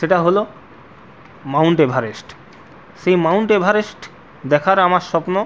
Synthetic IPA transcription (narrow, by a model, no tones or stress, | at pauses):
ʃeʈaɦolo | mawɳʈebʱaɾesʈ | ʃejmawɳʈebʱaɾesʈ | d̪ɛkʰaɾamaɾʃɔpno